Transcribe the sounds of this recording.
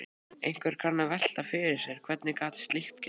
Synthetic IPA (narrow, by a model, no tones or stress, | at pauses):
ejŋ̥kvɛɾ̥kʰanːavɛl̥t̪afɪɾɪsɛɾ̥kʰvɛt̪nɪkaːt̪st̪lɪxt̪cɛ